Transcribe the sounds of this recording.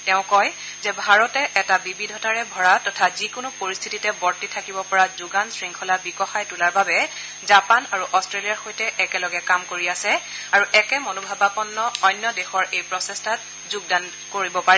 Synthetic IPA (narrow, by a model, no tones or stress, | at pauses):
tɛʊ̃kɔj | zɛbʱaɹɔtɛʔɛtabibidʱɔtaɹɛbʱɔɹatɔtʰazikʊnʊpoɹist̪ʰititɛbɔɹtitʰakibɔpɔɹazuɡansɹiŋkʰɔlabikɔxajtulaɹbabɛ | zapanaɹuʔɔstɹelijaɹxojtɛʔɛkɛlɔɡɛkamkoɹiasɛ | aɹuʔɛkɛmɔnobʱabapɔnːɔɔjnːɔdɛxɔɹejpɹɔsɛstʰat | zuɡ̚dan | koɹibɔpaɹɛ